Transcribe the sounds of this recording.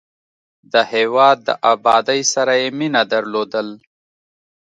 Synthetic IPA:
d̪əheːwɑːd̪̚ːə̰ʔaːbɑːd̪əjsaɾajeminad̪aɾloːd̪əl

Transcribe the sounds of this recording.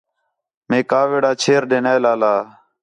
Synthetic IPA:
mẽːkaːʋeːɽaːt͡ʃʰeːɾɖeːnaːlaːlaː

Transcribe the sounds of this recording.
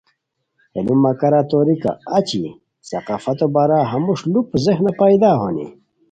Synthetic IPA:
enumːɐkɐɾat̪oɾika̰at͡ɕi | sɐ̰qaːfɐt̪obaɾaɦɐmuʂlupzexnɐpajd̪aːɦonḭ

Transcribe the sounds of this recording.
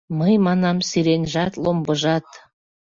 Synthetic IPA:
mɤjmɑnɑmsiɾenʲʒɑt̪lˠombɤʒɑt̪

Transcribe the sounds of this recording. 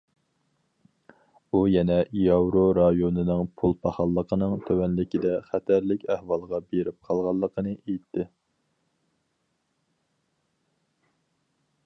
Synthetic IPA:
ujɛnɛjɑwɾoɾɑjonɨnɨŋpʰulˠpʰɑχɑlˠːəqʰənɨŋt̪ʰøwɛnlɪkʲid̪ɛχæt̪ʰæɾlɪkʲæhwɑlˠʁɑbeɾɪp̚qʰɑlˠʁɑlˠːəqʰənɨʔejt̪ʰːɪ

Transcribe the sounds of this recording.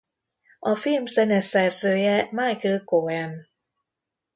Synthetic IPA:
ʔɔfimsɛnɛsɛsɯjɛmaːjkɯkoɛn

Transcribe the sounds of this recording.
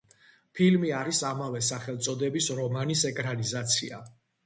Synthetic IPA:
pʰilmiaɾisamavɛsaχɛlˠt̪sʼɔd̪ɛbisɾɔmanisɛkʼɾanizat̪sʰḭa̰

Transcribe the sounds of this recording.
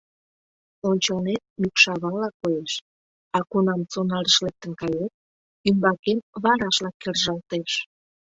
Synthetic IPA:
onʲt͡ɕonet̪̚mykʃɑβɑlɑkojeʃ | ɑkunɑmt͡sonɑləʃlek̚t̪ənkɑjet̪̚ | ymbɑkemβɑɾɑʃlɑkːerʒɑlt̪eʃ

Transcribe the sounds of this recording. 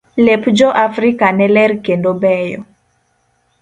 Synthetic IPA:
lepud͡ʒɔʔafɾikanɛlɛɾkendobɛjɔ̰

